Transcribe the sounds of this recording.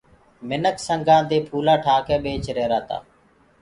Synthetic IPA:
mɪnəksəŋɡãːd̪eːpʰuːlãːʈʰaːkɛːɓeːt͡ʃɾeːɾaːt̪a̰ː

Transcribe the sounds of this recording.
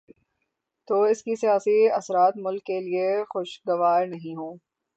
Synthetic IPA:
t̪oːɪskisijaːsiɐsɾaːt̪mʊlkːeliexʊʃɡɐʋaːɾnɐɦĩɦõː

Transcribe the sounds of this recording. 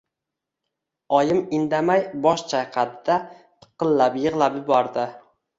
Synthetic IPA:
ɒjɪmɪnd̪amajbɒʃt͡ʃʰajqʰɑd̪d̪at̪ʰɨ̥qɨlːapjɨʁlˠapjɪbɒɾd̪ɪ

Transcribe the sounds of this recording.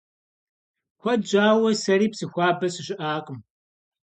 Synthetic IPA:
xʷɐdd͡ʒʼaːwɐsɐɾiːpsɨxʷɑːbɐsɨɕʼɪʔaːqʼəm

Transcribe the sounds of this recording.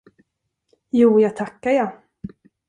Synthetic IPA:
juːjaːɡ̚t̪ʰakːaja

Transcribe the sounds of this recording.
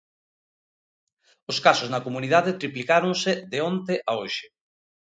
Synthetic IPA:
ʊskasoznɐkomuniðaðet̪ɾiplikaɾoŋsɪðeont̪eʔaoʃɪ

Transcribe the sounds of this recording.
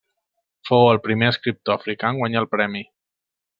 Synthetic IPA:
fowəlˠpɾimeəskɾip̚t̪oəfɾikaŋɡwaɲalˠpɾɛmi

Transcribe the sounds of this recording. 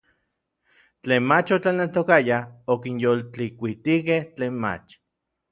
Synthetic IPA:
t͡ɬeːnmat͡ʃot͡ɬanelt̪okajahokinjolt͡ɬikʷit̪ikeht͡ɬeːnma̰t͡ʃ

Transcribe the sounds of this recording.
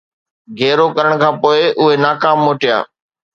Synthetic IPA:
ɡʱɛːɾokɐɾəɽ̃kʰãːpoːɪʔʊɦenaːkaːmːoːʈija̰ː

